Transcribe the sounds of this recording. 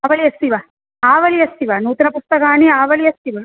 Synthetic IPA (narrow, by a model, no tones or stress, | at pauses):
aːʋɐlijɐst̪iʋa | aːʋɐlijɐst̪iʋanuːt̪inɐpust̪ɐkaːniaːʋɐlijɐst̪iʋɐ